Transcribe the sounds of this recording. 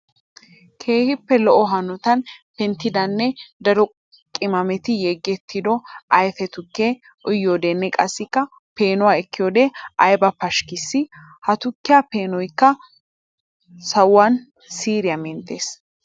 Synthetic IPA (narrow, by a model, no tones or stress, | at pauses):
kʰe̞ːhɪpːɛlɔʔɔɦɐnɔt̪ɐnpɛnt̪ːɪd̪ɐnːɛd̪ɐɾɔ | kʼɪmɐmɛt̪ɪjeɡːɛt̪ʰːɪd̪ɔʔɐjfɛt̪ʊkːeː | ʔʊjːoːd̪enːɛkʼɐsːɪkːɐ | pe̞ːnɔwaːɛkːɪjoːd̪eːʔɐjbɐpɐʃkɪsːɪ | hɐt̪ʊkːɪjɐpe̞ːnɔjkːɐ | sɐwwwɐn | siːɾɪjɐmɛnt̪ːeːs